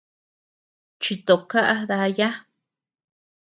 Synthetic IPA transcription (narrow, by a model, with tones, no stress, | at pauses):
t͡ʃi˧t̪o˨ka˦ʔa˦ða˧ja˦